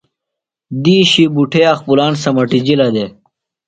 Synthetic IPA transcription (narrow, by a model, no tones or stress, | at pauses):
d̪iːɕibuʈʰeɐxpulaːnsɐmɐʈid͡ʑilɐd̪e